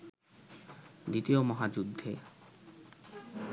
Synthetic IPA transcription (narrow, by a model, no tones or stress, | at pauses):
d̪it̪iomɔɦad͡ʑud̪ʱːe